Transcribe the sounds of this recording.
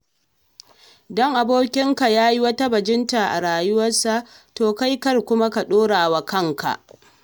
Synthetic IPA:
dɔ˦ŋʔa˨boː˦kʲɪ˦ŋka˨jaː˦ji˦wɐ˦ta˦bɐ˨d͡ʒɪ˦nta˨ʔa̰˨ɽaː˨jʊ˦wɐ˦rsa˦˨ʔtoː˨ka˦jkɐ˦rkʷʊ˦ma˦ka˨ɗoː˦ɽaː˨wa˨kɐ˦˨ŋka̰˨ʔ

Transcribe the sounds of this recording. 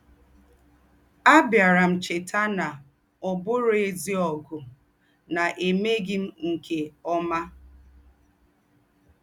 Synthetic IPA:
a˦bja˨ɾa˨m̩˨t͡ʃɪ˨tʰa˦na˨ | ɔ˨bʊ˦ɾe˨zi˦ɔ˨ɡʊ˨ | na˨ʔe˨me˦ɡɪ˦m̩˦ŋ̩˨kʰe˨ɔ˦ma˦

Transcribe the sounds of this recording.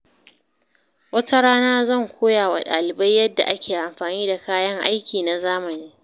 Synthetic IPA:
wɐ˦ta˦ɽaː˦naː˦zɐ˦˨ŋkʷʰoː˦jaː˨wa̰˨ɗa̰ː˨lɪ˨ba˦jːɐ˦dːa̰˨ʔa˦kʲʰeː˨ʔa˨mɸaː˨niː˦da˨kaː˦jɐ˦ŋʔa̰˦jkʲiː˨na˨zaː˦mɐ˨niː˦

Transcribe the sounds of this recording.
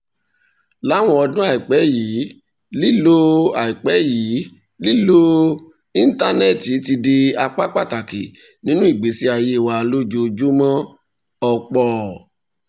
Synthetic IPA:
la˨˦w̃ɔ̃˧ɔ˧dũ˦a˦˨i˨k͡pɛ˨˦jiː˨˦ | li˦lo˦a˨i˨k͡pɛ˨˦jiː˨˦ | li˦lo˦ | ĩ˦n̩˦ta˦nɛ˦ti˨˦ti˧de˧a˧k͡pa˦k͡pa˦˨ta˨kḭ˨ | nĩ˦nũ˦i˦˨ɡ͡be˨˦si˦a˧je˧˦˨wa˨˧lo˦d͡ʒo˧d͡ʒu˦mɔ̃˦ | ɔ˧k͡pɔ˧

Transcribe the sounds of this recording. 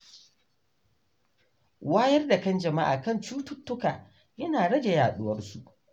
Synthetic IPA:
waː˦jɐ˦rda˨kɐ˦nd͡ʒɐ˨ma˦ʔa̰ː˨kɐ˦nt͡ʃuː˦tʊ˦tːʊ˦kaː˨ | jɐ˦naː˨ɽɐ˦d͡ʒe˨jaː˨ɗʊ˦wɐ˦rsu˨ʔ

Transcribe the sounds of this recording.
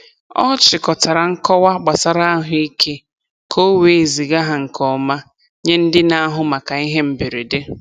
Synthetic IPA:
ɔ̰˦t͡ʃɪ˨kɔ˨ta˨ɾa˨ŋ̩˦kɔ˦wa˦ɡ͡ba˨sa˨ɾa˦a˦ɦʊ˦i˦kʰe˦ | kʰo˦we˨zi˨ɡa˦ɦa˨ŋ̩˨kʰɔ˨ma˦ | ɲe˦n̩˦dɪ˦na˦a˦ɦʊ˨ma˨ka˨i˦ɦe˦m̩˨be˨ɾe˨de˦

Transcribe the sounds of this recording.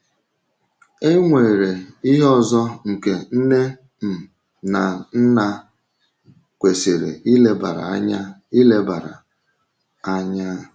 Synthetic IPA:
e˦ŋʷe˨ɾe˨i˦ɦɔ˦zɔ˦ŋ̩˨ke˨n̩˦ne˦ | m̩˨ | na˨n̩˦na˦ | kʷe˨se˨ɾḛ˨i˦le˦ba̰˨ɾa̰˨˦ɲa˦i˦le˦ba˨ɾa̰˨ | a˦ɲa˦˨

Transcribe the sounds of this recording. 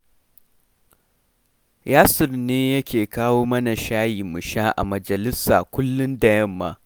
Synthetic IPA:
jaː˦sʊ˨rneː˦jɐ˦kʲʰeː˨kaː˦woː˦mɐ˦na˨ʃaː˦jiː˨mʊ˨ʃaː˦ʔa̰˨mɐ˨d͡ʒɐ˨lɪ˦sa̰ː˨kʷʊ˦lːʊ˦ndɐ˨jɐ˦mːa̰ː˦

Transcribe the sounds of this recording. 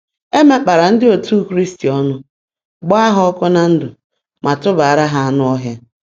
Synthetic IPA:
e˦me˦k͡pa˨ɾa˨n̩˦dɪ˦o˨tu˦˨kɾi˦sti˨ɔ˦nʊ˦ | ɡ͡ba˦a˦ɦʊ˦ɔ˦kʊ˦na˦n̩˦dʊ˨ | mʔa˨tʊ˦ba˨a˨ɾa˦ɦa˦a˦nʊ˦ɔ˦ɦja˦

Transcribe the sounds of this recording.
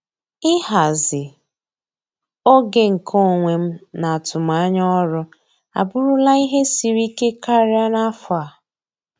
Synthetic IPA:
ɪ˦ɦa˨zɪ˨ | o˦ɡe˨ŋ̩˨kʰo˦˨ŋʷe˨m̩˦na˨a˨tʊ˨m˨a˦ɲɔ˦ɾʊ˦ | a̰˨bʊ˦ɾʊ˦la˦i˦ɦe˦si˨ɾi˦ke˦ka˦ɾja˦na˦fʊ˨a˨

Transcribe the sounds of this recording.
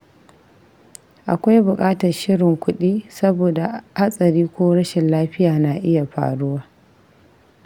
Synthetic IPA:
ʔa̰˨kʷa˦jbʊ˨kʼaː˦tɐ˨rʃɪ˦ɽɪ˨ŋkʷʊ˦ɗiː˦sɐ˦boː˨da˨ha˦sʼɐ˨ɾiː˦kʷoː˦ɽɐ˦ʃɪ˨nlaː˦ɸɪ˦jaː˨na˨ʔɪ˦ja˨ɸa̰ː˨ɽʊ˦waː˦

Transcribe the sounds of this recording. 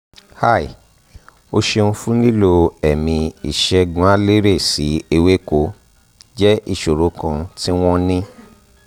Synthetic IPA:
ha˦˨i˨ | o˧ʃe˧nũ˧fũ˦nĩ˦lo˧ɛ˨mĩ˧i˨ʃɛ˧ɡũ˨˦a˦le˦ɾe˦˨si˨˦e˧we˦ko˧˦ | d͡ʒɛ˦ʔi˦˨ʃo˨ɾo˨˦kã˧ti˦w̃ɔ̃˦nĩ˦

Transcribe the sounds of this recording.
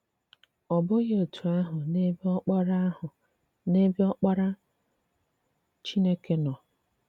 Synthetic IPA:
ɔ˨bʊ˦ɣe˦o˨tʰu˨a˦ɦʊ˨ne˦bi˦ɔ˦k͡pɔ˦ɾa˦hʊ˨ | ne˦bi˦ɔ˦k͡pɔ˦ɾa˦ | t͡ʃi˦ne˦ke˦nɔ˨

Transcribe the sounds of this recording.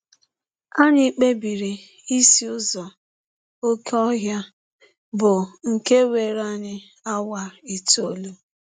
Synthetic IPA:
a˦ɲɪ˦k͡pe˦bi˨ɾi˨ | i˦si˦ʊ˦zɔ˨ | o˦ke˦ɔ˦ɦja˦ | bʊ˨ŋ̩˨ke˦we˨ɾa˦ɲɪ˦ | a˦wa˨i˨tu˦o˨lu˦

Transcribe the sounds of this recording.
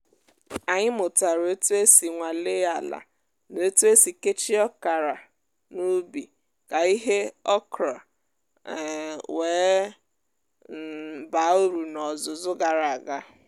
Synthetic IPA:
a˨ɲɪ˦mʊ˨ta˨ɾo˦tu˦e˦si˨ŋʷa˨le˦a˨la̰˨ | no˦tu˦e˦si˨ke˦t͡ʃi˦ɔ˦ka˨ɾa˨ | nu˦bi˨ | ka˨i˦ɦe˦ɔ˦kɾa˨ | weː˨˦˨ | ba˨˦o˦ɾu˨nɔ˨zʊ˨zʊ˦ɡa˨ɾa˨ɡa˦

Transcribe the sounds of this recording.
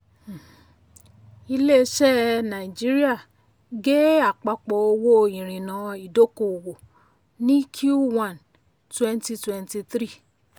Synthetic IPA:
i˧le˦ʃɛ˦nã˨i˨d͡ʒi˦ɾi˦a˦˨ | ɡe˦a˨k͡pa˧k͡po˨o˧wo˦ĩ˨ɾ̃ĩ˨nã˨˦i˨do˦ko˨wo˨ | nĩ˦kʰju˦wã˦˨n | twɛ̃˦nti˧twɛ˧nti˧θɾi˦˨

